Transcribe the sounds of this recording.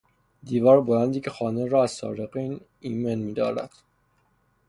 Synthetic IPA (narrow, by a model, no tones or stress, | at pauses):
d̪iːvɒːɾbolænd̪iːcʰexɒːneɾɒːæzsɒ̰ːɾeqiːn | iːmenmiːd̪ɒ̰ːɾæ̰d̪̥